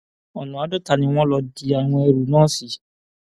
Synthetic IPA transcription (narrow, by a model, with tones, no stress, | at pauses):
ɔ˨nũ˨a˨˦dɔ˦ta˧˨nĩ˧w̃ɔ̃˦lɔ˧di˧a˨w̃ɔ̃˧e˧ɾu˨nãː˦˨si˨˦